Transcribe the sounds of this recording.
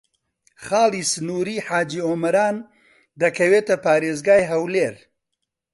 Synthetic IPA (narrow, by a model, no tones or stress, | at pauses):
χaːliːsɨnuːɾiːħaːd͡ʒiːoːmɐɾaːn | d̪ɐkʰɐweːt̪ɐpaːɾeːzɡaːjɦɐwleːɾ